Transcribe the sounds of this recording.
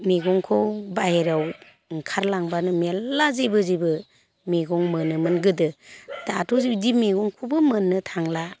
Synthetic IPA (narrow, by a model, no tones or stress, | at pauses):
miɡɔŋkʰɔwbajeɾaw | kʰaɾlaŋbanɯmeazebɯzibɯ | miɡɔŋmɯnɯmɯnɡɯdɯd̥atʰɔzidimiɡɔŋkʰubɯmɯnːɯtʰaŋla